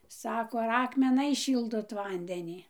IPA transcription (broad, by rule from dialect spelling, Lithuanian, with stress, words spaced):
ˈsɑːkoː ɐr ˌɑːkmʲɛˈnɐɪs ˈʃʲiːlˠdoːt ˈʋɐnʲdʲɛnʲiː